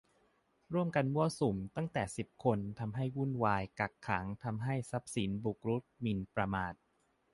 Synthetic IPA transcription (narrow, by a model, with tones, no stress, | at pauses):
ɾu˥˩əmka˧nmu˥˩əsu˨˩mt̪a˥˩ŋt̪ɛː˨˩si˨˩p̚kʰo˧nt̪ʰa˧mɦa˥˩jwu˥˩nwaː˧jka˨˩kʰːaː˩˦ŋt̪ʰa˧mɦa˥˩jsa˦˥p̚si˩˦nbu˨˩k̚ɾu˦˥t̪̚mi˧npɾa˧maː˨˩t̪̚